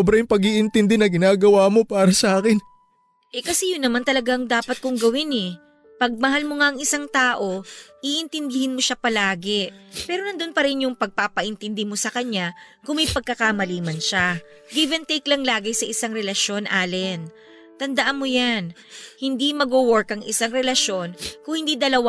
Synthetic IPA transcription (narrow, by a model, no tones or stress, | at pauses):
obɾɐjʊŋpɐɡiʔɪnt̪ɪnd̪ɛnɐɡɪnaːɡɐwaːmo̞paːɾɐsɐʔaːkɪn | ʔɛkɐsɛjʊnːɐmant̪ɐlɐɡaŋd̪aːpɐt̪̚kʊŋɡɐwɪnɛ | pɐɡ̚mɐɦalmoŋaʔɐŋɪsaŋt̪aːʔo̞ʔiʔɪnt̪ɪnd̪ɪhɪnmo̞ʃapɐlaːɡepɛːɾonɐnd̪ʊnpɐɾɪnjʊŋpɐɡ̚papɐʔɪnt̪ɪnd̪ɪmo̞sɐkɐɲːa | kʊŋmɐjpɐɡ̚kːɐkamɐliːmɐnʃa | ɡivɛnt̪ejklɐŋlaːɡɪsɐʔɪsaŋɾɛlɐʃo̞nʔaːlɛn | t̪ɐnd̪ɐʔanmojan | hɪnd̪imɐɡowoɹkɐŋʔɪsaŋɾɛlɐʃo̞nkʊŋhɪnd̪iːd̪ɐlɐwa